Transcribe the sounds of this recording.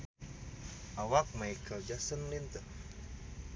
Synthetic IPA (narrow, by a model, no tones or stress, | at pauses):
ʔawak̚majkʰəld͡ʒasənlint̪ər